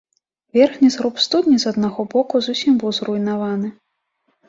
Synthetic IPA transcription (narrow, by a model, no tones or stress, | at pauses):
vʲɛrxnʲizɣɾupst̪ud̪ʲnʲizad̪̚naɣɔbɔkuzusʲimbɨwzrujnavanɨ